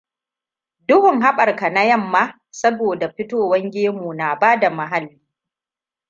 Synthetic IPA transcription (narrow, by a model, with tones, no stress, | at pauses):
dʊ˦hʊ˨ŋɦa˦ɓɐ˨rka˨na˦jɐ˦˨mːaː˦ | sɐ˦boː˨da˨ɸɪ˦toː˦wɐ˦ŋɡʲeː˦mu˨na˨baː˦da˨ma˨ɦa˦lːiː˦